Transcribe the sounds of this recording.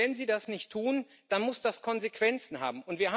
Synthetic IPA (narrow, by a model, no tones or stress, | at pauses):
ɛnziːdasnɪçtʰːuːn | d̥anmʊsd̥askʰɔnzekv̥ɛnt͡sn̩ha̰ːbm̩ʔʊntv̥iːɐa